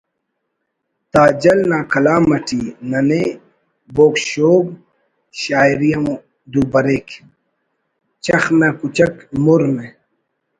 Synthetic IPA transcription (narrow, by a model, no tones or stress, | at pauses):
t̪aːd͡ʑɐlnaːkʰɐlaːmɐʈʰinɐne | boːkɕoːb̚ | ɕaːiɾijɐũ | d̪ubɐɾeːk | t͡ɕɐxmakut͡ɕɐkmuɾmẽ